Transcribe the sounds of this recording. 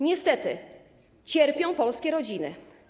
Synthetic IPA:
ɲɛst̪ɛt̪ɘ | t͡ɕɛɾpʲjɔ̃w̃pɔlskʲɛɾɔd͡ʑinɘ̰

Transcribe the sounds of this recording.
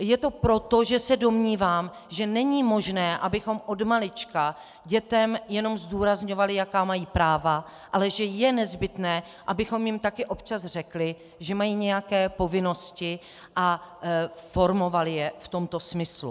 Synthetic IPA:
jɛt̪o̞pɾo̞t̪o̞ʒɛsɛdo̞mɲiːvaːm | ʒɛnɛɲimo̞ʒnɛːʔabɪxo̞mʔo̞dmalɪt͡ʃka | ɟɛt̪ɛmjɛno̞mzduːɾazɲo̞valɪjakaːmajiːpɾaːva | ʔalɛʒɛjɛnɛzbɪt̪nɛː | ʔabɪxo̞mjɪmt̪akɪʔo̞pt͡ʃasr̝ɛklɪ | ʒɛmajiːɲɛjakɛːpo̞vɪno̞scɪ | ʔa | fo̞ɾmo̞valɪjɛft̪o̞mt̪o̞smɪslṵ

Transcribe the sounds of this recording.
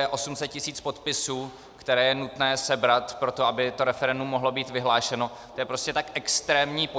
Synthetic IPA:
ɛʔo̞sumsɛt̪̚cɪsiːt͡spo̞t̪pɪsuː | kt̪ɛɾɛːjɛnut̪nɛːsɛbɾat̪pɾo̞t̪o̞abɪt̪o̞ɾɛfɛɾɛndumːo̞ɦlo̞biːt̪vɪɦlaːʃɛno̞t̪ojɛpɾo̞scɛt̪akʔɛkst̪ɾɛːmɲiːpo

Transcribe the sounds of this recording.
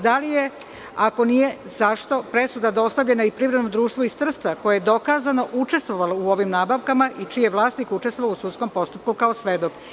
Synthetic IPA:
d̪alije̞ | ako̞nije̞zaʃt̪o̞pɾesud̪ad̪o̞st̪avʎe̞naipɾivɾenod̪ɾuːʃt̪ʋoist̪r̩st̪ako̞jejed̪o̞kaːzano̞ʔut͡ʃe̞st̪ʋo̞ʋalouo̞ʋimnaːbaʋkamaʔit͡ʃijeʋlˠaːsnikut͡ʃest̪ʋoʋausut̪sko̞mpo̞st̪up̚kukaosʋed̪o̞k

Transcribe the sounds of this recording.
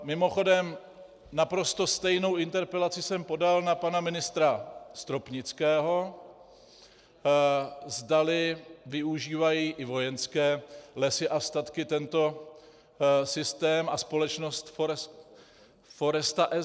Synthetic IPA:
mɪmo̞xo̞dɛm | napɾo̞st̪o̞st̪ɛjno̞wɪnt̪ɛɾpɛlat͡sɪsɛmpo̞dalnapanamɪnɪst̪ɾast̪ɾopɲɪt͡skɛːɦo̞ | zdalɪvɪuʒiːvajiːʔɪvo̞jɛnskɛːlɛsɪʔast̪at̪kɪt̪ɛnt̪o̞ | sɪst̪ɛːmʔaspo̞lɛt͡ʃnost̪f | fo̞ɾɛst̪aʔɛ

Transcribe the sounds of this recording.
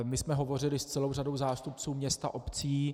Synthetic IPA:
mɪsmɛɦovo̞r̝ɪlɪst͡sɛlo̞wrado̞wzaːst̪upt͡suːmɲɛst̪a̰ʔo̞pt͡siː

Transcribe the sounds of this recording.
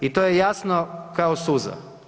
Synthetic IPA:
it̪ojejasnokaosuza̰

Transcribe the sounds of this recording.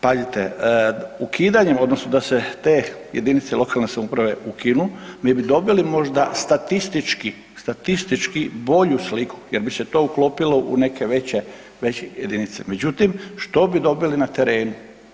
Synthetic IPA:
pazit̪e | ukʰiːd̪aɲemo̞d̪nosnod̪aset̪eː | jḛd̪init̪seilo̞kalne̞samoupɾaʋe̞ukinumiebid̪o̞bilimo̞ʒd̪ast̪at̪ist̪it͡ʃki | st̪at̪ist̪it͡ʃkibo̞ʎuslikʰu̥jeɾbiset̪oːuklo̞ːpilo̞ʔṵne̞ke̞ʋe̞t͡ɕe | ʋe̞t͡ɕejed̪init̪seme̞d͡ʑut̪imʃt̪o̞bid̪o̞bilinat̪e̞ɾe̞ːnu

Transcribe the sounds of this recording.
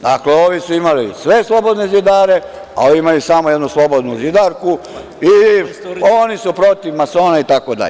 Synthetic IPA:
d̪akleoʋisuimalisʋe̞slˠo̞bo̞d̪nezid̪aːɾe̞ | a̰oʋiimalisamojed̪nuslˠo̞bo̞d̪nuzid̪aɾku | i | onisupɾo̞t̪iʋmaso̞ːnait̪akod̪a̰ʎ

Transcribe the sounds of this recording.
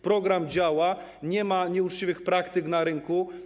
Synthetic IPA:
pɾɔɡɾamd͡ʑawa | ɲɛmaɲɛut͡ʂt͡ɕivɘxpɾakt̪ɘknaɾɘŋku

